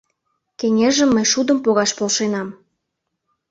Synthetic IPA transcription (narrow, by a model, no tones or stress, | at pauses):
keŋʲeʒə̆mːəjʃud̪əmpoɣɑʃpolʃenɑm